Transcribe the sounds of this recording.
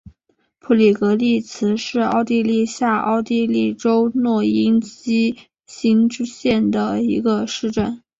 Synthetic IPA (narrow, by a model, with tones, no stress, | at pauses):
pʰu˥˩li˨˩kɤ˧˥li˥˩t͡sʰɹ̩˧˥ʂɻ̩˥˧ɑ˥˧ʊt̪i˥˧li˥˧ɕja˥˧ɑ̰˥˧ʊt̪i˥˧li˥˩ʈ͡ʂo˥ʊnwɔ˥˩i˥nt͡ɕi˥ | ɕi˥nʈ͡ʂu˥ɕjɛ˥˩nd̪ə˩i˧˥ɡə˧ʂɻ̩˥˧ʈ͡ʂə˥˩n